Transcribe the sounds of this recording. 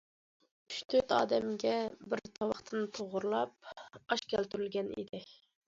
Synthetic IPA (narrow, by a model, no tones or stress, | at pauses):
y̥ʃt̪ʰøt̪ɑːd̪ɛmɡʲɛbɪɾt̪ʰɑwɑχt̪ʰɨnɨt̪ʰoʁʊɾlˠɑp̚ɑʃkʲælt̪yɾylɡʲɛnḭd̪ɪ